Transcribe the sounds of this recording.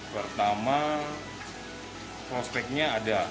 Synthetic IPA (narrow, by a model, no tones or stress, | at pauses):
pərt̪ama | pɾospɛk̚ɲaːda